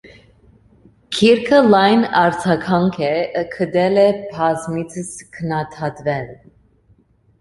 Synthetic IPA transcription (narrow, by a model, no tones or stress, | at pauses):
kʰiɾkʰəlɑjnɑɾt͡sʰɑkʰɑŋkʰɛkʰəd̪ɛlɛpʰɑzmit͡sʰəskʰənɑt̪ʰɑt̪vɛl